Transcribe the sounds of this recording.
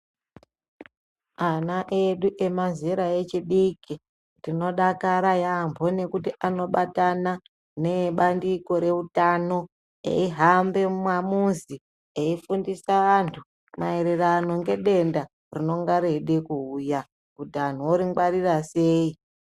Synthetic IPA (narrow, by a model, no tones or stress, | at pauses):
anaʔeɗuʔe̞maziɾae̞t͡ʃiɗiki | tino̞ɗakaɾajambʱo̞ne̞kutiano̞ɓatana | ne̞ɓandiko̞ɾe̞utano̞ | ḛiɦambe̞mwamunzi | eifundisaantʰu | mae̞ɾe̞rano̞ŋɡe̞ɗe̞nda | rino̞ŋɡaɾe̞ɗekuuja | udan̤uoɾiŋɡwaɾiraseːi